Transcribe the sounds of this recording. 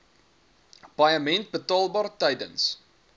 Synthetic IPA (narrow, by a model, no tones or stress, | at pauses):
b̥ɐjəmɛnt̚bətɑːlˠbɑːrtɛjdə̰ns